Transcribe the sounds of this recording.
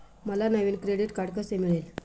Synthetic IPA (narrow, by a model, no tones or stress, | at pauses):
məlanəʋinkɾeɽiʈkaɽkəsemiɭel